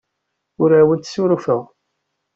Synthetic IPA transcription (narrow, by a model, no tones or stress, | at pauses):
ʊɾæwənt̪suɾfəʁ